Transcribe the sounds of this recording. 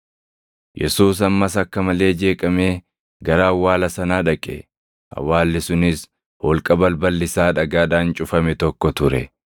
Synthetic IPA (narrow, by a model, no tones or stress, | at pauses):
jɛ̰suːs̬ɐmːɐsɐkːɐmɐle̞ːd͡ʒe̞ːkʼɐme̞ː | ɡɐɾaːwːaːlɐsɐnaːᶑɐkʼɛ̰ | ʔɐ̰wːaːlːɪsʊnɪs | hɔlkʼɐbɐlbɐlːɪsaːᶑɐɡaːᶑ̪aːnt͡ʃʼʊfɐmɛt̪ɔkːɔt̪ʊɾɛ̰